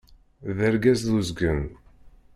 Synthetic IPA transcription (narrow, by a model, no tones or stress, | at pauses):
ðæɾɡæzðuzɡən